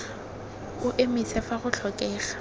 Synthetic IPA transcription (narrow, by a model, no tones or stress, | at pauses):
ʊʔemisɛfaɣʊɬʰɔkʼɛːχa